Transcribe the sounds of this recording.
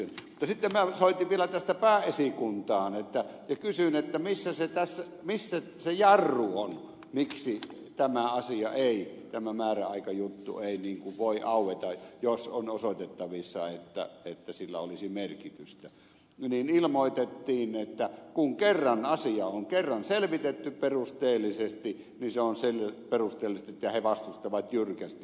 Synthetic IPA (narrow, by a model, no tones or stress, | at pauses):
mut̪ːɑsit̪ːemmæsoˑit̪iʋʋielæt̪æst̪æpæːesikunt̪ɑːnet̪ːæjɑkysynet̪ːæmisːæset̪æsːæ | misːæ | sejɑrːuon | miksi | t̪æmæɑsiɑʔeˑit̪æmæmæːræɑˑikɑjut̪ːṵeˑiniːŋkuʋʋoˑiʔɑˑuwˑet̪ɑjosonosot̪et̪ːɑʋisːɑet̪ːæ̰et̪ːæsilːæ̰olisimerkit̪yst̪æ | niːnilmoˑit̪et̪ːiːnet̪ːækuŋkerːɑnɑsiɑoŋkerːɑnselʋit̪et̪ːyperust̪eːlːˑisest̪i | ninseonselperust̪ˑeːlːˑist̪et̪ːˑyjɑheʋɑst̪ust̪ɑʋɑt̪jyrkæst̪